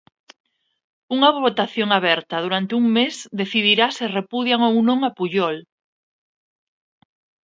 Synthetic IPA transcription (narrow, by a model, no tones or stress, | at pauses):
uŋaβot̪aθjoŋaβɛɾt̪ɐð̞uɾant̪ɪuŋmesd̪eθiðiɾasɪrepuðjaŋownõŋapuʎɔl